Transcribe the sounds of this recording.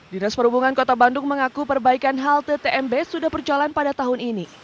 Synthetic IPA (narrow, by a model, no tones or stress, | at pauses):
dinaspəɾubuŋankɔt̪abandʊŋməŋakupərbaikanɦalt̪ət̪eʔɛmbesudahbərd͡ʒalanpadat̪aɦʊnini